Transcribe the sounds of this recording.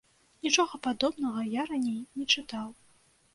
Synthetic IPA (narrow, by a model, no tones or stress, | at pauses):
nʲit͡ʂɔɣɐpad̪ɔbnɐɣɐjaɾanʲejnʲɛt͡ʂɨt̪aw